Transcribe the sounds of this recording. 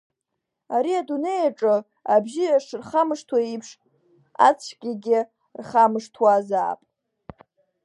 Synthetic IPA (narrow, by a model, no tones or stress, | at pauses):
aɾiadune̞jaʈ͡ʂʼɨ | abʒɪaʂrχamɨʂtʰwaipʰʂ | a̰t͡sʰɡʲɪɡʲɪ | rχamɨʂtʰwaza̰ːpʼ